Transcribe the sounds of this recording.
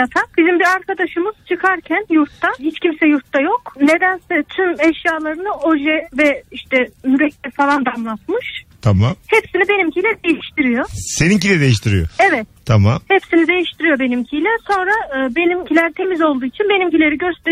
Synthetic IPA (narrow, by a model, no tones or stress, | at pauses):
jat̪ʰak̚bizimbiɾaɾkad̪aʃɯmɯz̥t͡ʃʰɯkʰaɾcʰænjuɾt̪ːahit͡ʃcʰimsɛjuɾt̪ːajo̞kne̞d̪ænsɛt̪ʰymɛʃjaːlˠaɾɯnɯʔo̞ʒɛvɛiʃt̪ʰɛnyɾɛc̪̚ɛfalˠand̪amlˠat̪mɯʃt̪ʰamamhɛpsinibe̞nimcʰilʲɛd̪ejiʃt̪ʰiɾijo̞seniŋcilʲɛd̪ejiʃt̪ʰiɾḭjo̰ɛvɛt̪t̪ʰamamhepsinid̪e̞jiʃt̪ʰiɾijo̞be̞nimcʰijlʲɛso̞nɾaɯːbe̞nimcʰilʲæɾt̪ʰe̞mizo̞lˠd̪uːit͡ʃʰinbe̞nimcilʲe̞ɾiɟøɾst̪e